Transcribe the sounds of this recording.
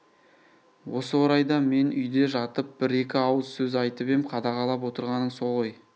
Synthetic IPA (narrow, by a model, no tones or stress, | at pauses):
wo̞səwoɾɑjd̪ɑme̞nʏ̰jd̪e̞ʒɑt̪əp̚b̥ɪɾe̞kʲɪɑwəzsɵzɑjt̪əpemqʰɑd̪ɑʁɑlˠɑp̬wo̞t̪əɾʁɑnəɴso̞ʁəj